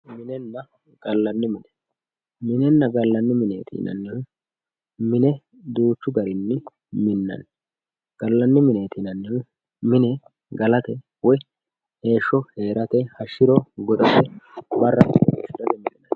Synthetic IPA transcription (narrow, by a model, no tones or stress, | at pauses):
mɪnɛnːɐ | ɡ̥ɐlːɐnːɪmɪnɛ | mɪnɛnːɐɡɐlːɐnːɪmɪneːt̪ʰḭːnɐ̰nːɪn | mɪnɛ | d̪uːt͡ʃːʊɡɐɾɪnːɪ | mɪnːɐ̰n | ɡ̥ɐlːɐnːɪmɪne̞ːt̪inɐnːɪn | mɪnɛ | ɡɐlɐt̪ɛ | wɔj | he̞ːʃːɔhe̞ːɾɐt̪ɛhɐʃɪɾɔɡɔt̪ʼɐsɛbɐrːɐʃɪd̪ɐd̪ɛmɪnɪnɐn